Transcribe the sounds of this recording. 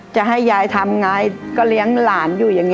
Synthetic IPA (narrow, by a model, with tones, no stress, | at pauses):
t͡ɕa˨˩ɦa˥˩jːaː˧jt̪ʰa˧mŋa˧jkɔː˥˩li˦˥əŋlaː˨˩njuː˧˩ja˨˩ŋːi˧˥